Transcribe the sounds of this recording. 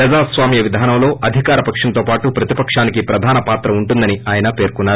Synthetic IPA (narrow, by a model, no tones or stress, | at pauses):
ɐd͡ʒaːsʋaːmjɐʋid̪ʱaːnɐmlo̞ːʔɐd̪ʱikaːɾɐpɐkʂɐnt̪o̞ːpaːʈupɾɐt̪ipɐkʂaːnikipɾɐd̪ʱaːnɐpaːt̪ɾɐuɳʈund̪ɐniaːjɐnɐpe̞ːɾkunːaːɾu